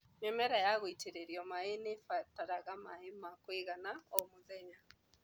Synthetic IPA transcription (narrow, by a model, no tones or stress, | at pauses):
mɛmɛɾajaɣoiteɾeɾiɔmaenefataɾaɣamaemakweɣanaɔmoðɛɲa